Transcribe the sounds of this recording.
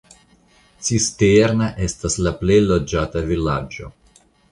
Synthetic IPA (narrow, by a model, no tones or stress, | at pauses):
t͡sisteɾnaʔe̞staslaple̞jlod͡ʒatavilad͡ʒo̞̰